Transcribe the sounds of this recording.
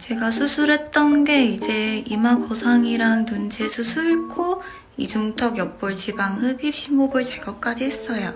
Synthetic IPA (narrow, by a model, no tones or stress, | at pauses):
t͡ɕe̞ɡasʰusʰuɾe̞t̚t͈ʌnɡe̞id͡ʑe̞imakosʰaŋiɾaŋtunt͡ɕʰesʰusʰuɭkʰo | id͡ʑuŋtʰʌɡjʌp̚p͈ʌɭt͡ɕibaŋɦɯpʰipɕ͈imobɯɭt͡ɕeɡʌk͈ad͡ʑiɦes͈ʌjo